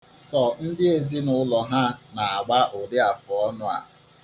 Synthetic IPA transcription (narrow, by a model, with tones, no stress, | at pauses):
sɔ˦˨n̩˦dɪ˦e˨zi˦nʊ˦lɔ˨ɦa˦na˨a˨ɡ͡ba˦ʔo˨dɪ˦a˨fʊ˨ɔ˦nʊ˦a̰˨